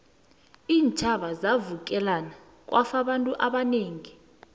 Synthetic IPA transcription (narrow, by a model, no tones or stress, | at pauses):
iːnt͡ʃʰʼaɓazavuk̬ʼɛlana | k̬ʼwʔafaɓantʼuʔaɓaneːŋi